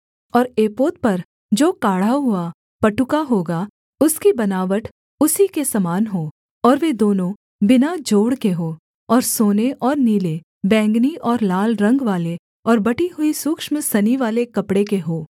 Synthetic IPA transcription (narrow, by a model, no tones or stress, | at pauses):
ɔːɾeːpoːt̪̚pɐɾ | d͡ʒoːkaːɽ̤aɦʊa | pɐʈʊkaɦoːɡa | ʊskibɐnaːʋəʈʰ | ʊsikesɐmaːnɦoː | ɔːɾʋed̪oːnõ | bɪnad͡ʒoːɽkeɦoː | ɔːɾsoːneʔɔːɾniːle | bɛ̃ːŋɡniʔɔːɾlaːlɾɐ̃ŋɡʋaːle | ɔːɾbɐʈiɦʊisʊkʃmsɐniʋaːlekɐpɽekeɦoː